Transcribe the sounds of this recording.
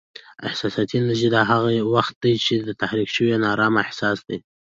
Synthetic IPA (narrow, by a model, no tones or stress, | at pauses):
ɪ̰hsɑsɑt̪inaʒid̪ɑɦaɣawaxt̪̚d̪ajt͡ʃed̪ət̪ahɾikʃəwenɑɾɑmaɪhsɑsd̪e